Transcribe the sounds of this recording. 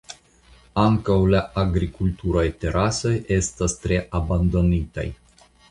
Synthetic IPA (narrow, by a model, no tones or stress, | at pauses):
aŋkəwlaaɡɾikult̪uɾajt̪eɾasəʔest̪əst̪ɾeʔaband̪onit̪ḛj